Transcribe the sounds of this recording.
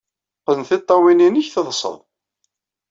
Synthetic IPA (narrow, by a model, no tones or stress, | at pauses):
qːənθit̪ˤːɑwininiçθəðˤsˤə̰ðˤ